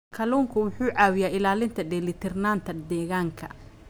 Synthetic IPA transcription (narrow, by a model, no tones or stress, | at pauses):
kʰɐluːŋkʰʊwʊħuːʕaːwɪjaːɪlaːlɪnt̪ʰɐd̪ɛlɪt̪ʰɪrnaːnt̪ʰɐd̪ɛːɣaːŋkʰɐ̰